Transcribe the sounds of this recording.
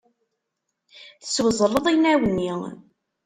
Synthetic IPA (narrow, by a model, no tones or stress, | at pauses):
θə̥swəzˤəlˤːəðˤijnæwənːi